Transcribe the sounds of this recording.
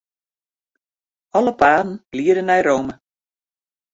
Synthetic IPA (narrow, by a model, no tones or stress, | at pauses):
ɔləpaːdn̩b̥liədənɛjɾoːmə